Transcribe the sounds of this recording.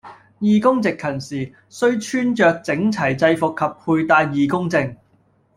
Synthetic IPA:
jiː˨˩kʊ˥ŋt͡sɪ˨kʰːɐ˨˩nsiː˨ | sɵ˥ɥt͡ʃʰyː˥nt͡ʃœː˨k̚t͡sɪ˨˥ŋt͡sʰɐ˨˩jt͡sɐ˧jfʊ˨kʰːɐ˨p̚pʰuː˧jt̪aː˧jːiː˨˧kʊ˥ŋt͡sɪ˧ŋ

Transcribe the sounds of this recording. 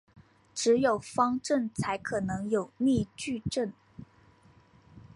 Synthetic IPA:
ʈ͡ʂɻ̩˧˥jo˨˩ʊfɑ˥ŋʈ͡ʂə˥˩nt͡sʰa˧˥ɪkʰɤ˨˩nɤ˧˥ŋjo˨˩ʊmi˥˧t͡ɕy˥˧ʈ͡ʂə˥˩n

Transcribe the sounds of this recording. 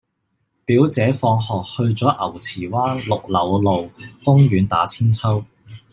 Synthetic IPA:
piː˨˥wt͡sɛː˨˥fɔː˧ŋɦɔː˨k̚hɵ˧ɥt͡sɔː˨˥ʔɐ˨˩wt͡sʰiː˨˩waː˥nlʊ˨k̚lɐ˨˥wlo˨˧wkʊ˥ŋɥyː˨˧nt̪a̰ː˨˥t͡sʰiː˥nt͡sʰɐ˥w

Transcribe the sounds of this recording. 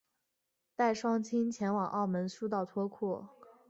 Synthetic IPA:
t̪a˥˩ɪʂwɑ˥ŋt͡ɕʰi˥nt͡ɕʰjɛ˧˥nwɑ˨˩ŋʔɑ˥˩ʊmə˧˥nʂu˥t̪ɑ˥˩ʊt̪ʰwɔ˥kʰɔ˥˩

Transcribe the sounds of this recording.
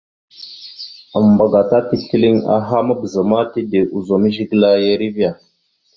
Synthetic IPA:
ə˨mba˨ɡa˨ta˦ti˦ɬi˦li˦ŋa̰˨ɦa˦ma˦bə˨zə˨ma˦ti˦de˨ʔu˨zo˨mi˦ʒi˦ɡla˦ja˦ɾi˦vi˦a˨

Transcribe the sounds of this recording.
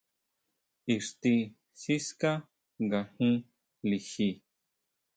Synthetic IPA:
i˨ʂt̪i˧ | si˦ska˦ | ŋɡa˨hũ˦ | li˨xi˧˨

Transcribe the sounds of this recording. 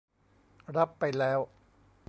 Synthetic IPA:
ɾa˦˥pːa˧jlɛː˦˥w

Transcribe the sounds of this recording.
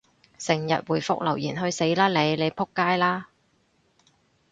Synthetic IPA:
sɪ˨˩ŋjɐ̰˨t̚wuː˨˩jfʊ̰˥k̚lɐ˨˩wjiː˨˩nɦɵ˧ɥse˨˥jlaː˥le˨˧jle˨˧jpʰʊ˥kːaː˥jlaː˥

